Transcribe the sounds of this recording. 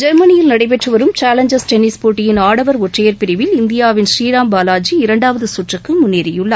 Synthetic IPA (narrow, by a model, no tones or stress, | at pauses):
d͡ʒɐɾmɐnɪjɪlnɐɽɐɪpɛʈrɯʋɐɾɯmt͡ʃaːlɐɲd͡ʒɐsʈɛnɪspoːʈːɪjɪnaːɽɐʋɐɾɔʈrɐjɐɾpɪɾɪʋɪlɪnd̪ɪjaːʋɪnʃɾiːɾaːmbaːlaːd͡ʒiɪɾɐɳɖaːʋɐðɯsʊʈrɐkːɯmʊnːeːɾɪjɯɭːɐ